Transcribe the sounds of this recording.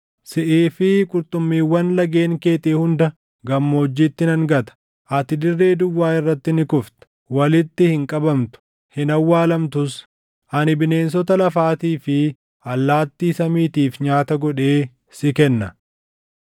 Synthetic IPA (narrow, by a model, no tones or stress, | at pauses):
sɪʔeːfɪkʼʊɾt̪ʼʊmːiːwːɐnlɐɡe̞ːŋke̞ːt̪eːhʊnd̪ɐ | ɡɐmːo̞ːd͡ʒːiːt̪ːɪnɐŋɡɐt̪ɐ̥ | ʔɐt̪ɪd̪ɪrːe̞ːd̪ʊwːaːɪrːɐt̪ːɪnɪkʊft̪ | wɐlɪt̪ːɪhɪŋkʼɐbɐmt̪ʊ̥ | hɪnɐwːaːlɐmt̪ʊs | ʔɐnɪbɪne̞ːns̬ɔt̪ɐlɐfaːt̪iːfɪ | ɐlːaːt̪ːiːsɐmiːt̪iːfɲaːt̪ɐɡɔᶑe̞ː | sɪkɛnːɐ